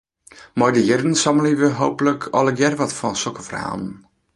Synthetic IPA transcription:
mɔjdəjɪrdən̩sɑməliʋəɦowpələkʰɔlˠəɡjɛrʋɔtfɔnsɔkəfra̰ːn

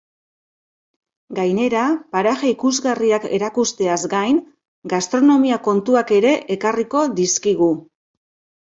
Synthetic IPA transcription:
ɡajne̞ɾapaɾaʝaikuzɣariake̞̰ɾakust̪e̞azɡajŋ | ɡast̪ɾo̞no̞miako̞nt̪uake̞ɾe̞ʔekariko̞ðiskiɣ̞u

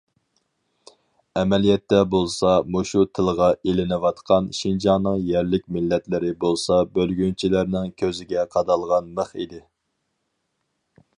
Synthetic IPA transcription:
ɛmɛlijɛt̪ːɛbolˠsɑmoʃut̪ʰɪlˠʁɑʔelɪnɪwɑt̪qʰɑnʃind͡ʒɑŋnɨŋjɛɾlɪk̚ʲmɪlːɛt̪lɪɾɪbolˠsɑbølɡʲynt͡ʃʰilæɾnɪŋkʲʰøzɪɡʲɛqʰɑd̪ɑlˠʁɑnməχid̪ɪ

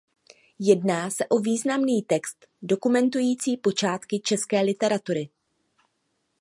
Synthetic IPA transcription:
jɛdnaːsɛʔo̞viːznamniːt̪ɛkst̪ | do̞kumɛnt̪̬ujiːt͡siːpo̞t͡ʃaːt̪kɪt͡ʃɛskɛːlɪt̪ɛɾat̪uɾɪ

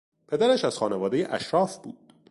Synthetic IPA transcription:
pʰe̞d̪æɾæʃæz̥xɒːnevɒːd̪e̞jeʔæ̰ʃɾɒːfb̥uːd̪̥

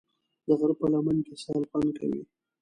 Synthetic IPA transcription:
d̪əɣaɾpəlamankesɑlpanka̰wḭ

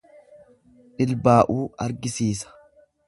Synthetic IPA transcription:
ᶑɪlbaːʔuːɐɾɡɪsiːsɐ̥

